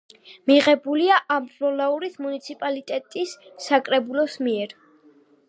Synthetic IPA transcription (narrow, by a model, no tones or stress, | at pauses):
miʁɛbuliaʔamvɔlauɾismunit̪sʰipʼalit̪ʼɛt̪ʼisːakʼɾɛbulɔsmiɛɾ